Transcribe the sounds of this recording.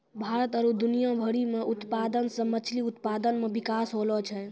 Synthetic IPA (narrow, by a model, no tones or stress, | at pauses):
bʱaɾət̪əɾud̪unijabʱəɽimeut̪pad̪ənsə̃mət͡ʃʰliut̪pad̪ənmebikasɦolɔt͡ʃʰɛ